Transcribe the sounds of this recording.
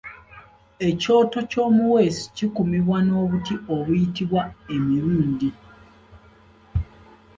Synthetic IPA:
e̞co̞ːto̞co̞ːmuwe̞si̥cikumiβwano̞ːβutioβujitiβwaemiɾuːndi

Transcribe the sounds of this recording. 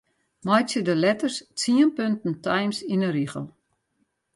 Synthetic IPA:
mɔjsjədəlɛtərst͡siənpøntn̩tʰajmsinəɾiɣə̰lˠ

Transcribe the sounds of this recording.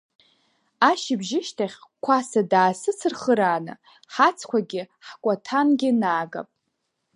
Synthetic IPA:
aʃɪbʒɪʃtʰaχʲkʷʰasadaːsɨt͡sʰɨrχəɾaːnɨ̰ | ħat͡sʰkʷʰaɡʲɪ | ħkʷʼatʰanɡʲɪnaːɡa̰pʼ

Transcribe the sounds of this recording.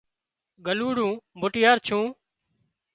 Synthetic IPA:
ɡəluːɽũːbʊʈɪjaːɾt͡ʃʰũː

